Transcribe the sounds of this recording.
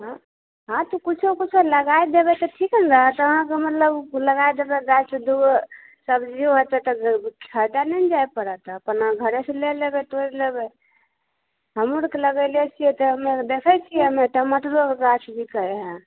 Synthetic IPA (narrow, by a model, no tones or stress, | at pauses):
ɦã | ɦãt̪ukut͡ʃʰokut͡ʃʰeləɡaid̪ebɛt̪ɔʈʰikənɾəɦət̪ɔəɦãkemət̪ləbləɡajd̪ebeɡajsed̪uɡ | səbd͡ʒioɦot̪ɛt̪ɔkʰad̪anɛnd͡ʒajpəɾət̪əpənaɡʱəɾeselelebɛt̪oɾlebɛ | ɦəmuɾkeləɡəlet͡ʃʰiɛt̪ɔɦəmed̪ekʰət͡ʃʰiɛəmet̪ɔmət̪ɾokeɡat͡ʃʰbʱikəɾeɦɛ̃